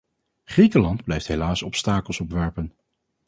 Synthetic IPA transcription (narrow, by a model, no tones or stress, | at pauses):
χrikəlɑnd̚blɛjftɦelaːsɔpstaːkəlˠsɔpʋɛɹpən